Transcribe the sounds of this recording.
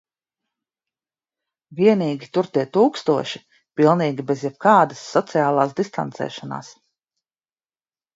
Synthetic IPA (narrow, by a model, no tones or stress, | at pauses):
viɛniːɡʲit̪uɾt̪iɛt̪uːkst̪uɔʃi | pilˠniːɡʲibezjɛb̚kaːd̪asːɔt̪siaːlˠaːsd̪ist̪a̰nt̪sɛ̰ːʃana̰ːs